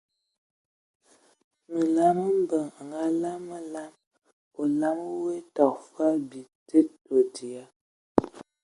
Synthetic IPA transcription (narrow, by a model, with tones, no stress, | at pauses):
mə˨la˦mə˦m̩˦bə˨ŋa˨ŋɡa˦la˦mə˨la˦m | o˨la˦m˦we˦ta˨kfa˦bi˨te˦to˨ti˨a˦